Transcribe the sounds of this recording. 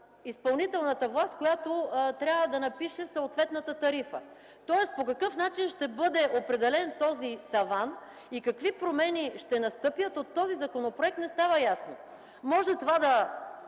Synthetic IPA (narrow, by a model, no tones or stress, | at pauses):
ispɐlˠnit̪ɛlˠnət̪əvlˠast̪̚kojat̪ot̪ɾʲjavəd̪ɐnɐpiʃɛsoːt̪vɛt̪nət̪ət̪ɐɾifə̰ | t̪ɔɛs̚pokɐkɤfnat͡ʃinʃt̪ɛbɤd̪ɛʔopɾɛd̪ɛlɛnt̪ɔzit̪ɐvan | ikɐkvipɾomɛniʃt̪ɛnɐst̪ɤpjət̪ot̪ːɔzizɐkonopɾoɛk̚t̪nɛst̪avəjasno | mɔʒɛt̪ovad̪ɐ